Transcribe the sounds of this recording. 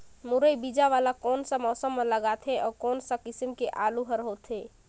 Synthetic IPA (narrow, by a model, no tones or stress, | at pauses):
muɾəjbid͡ʒaʋalakɔːnsə̃mɔsəmːeləɡat̪ʰeʔɔːɾkɔːnsə̃kisimkeʔaluɦəɾɦot̪ʰɦe